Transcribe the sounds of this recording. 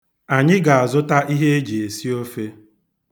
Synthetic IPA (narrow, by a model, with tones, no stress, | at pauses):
a˨ɲɪ˦ɡa˨a˨zʊ˦ta˦ʔi˦ɦe˦e˦d͡ʒi˨e˨si˦o˦fe˦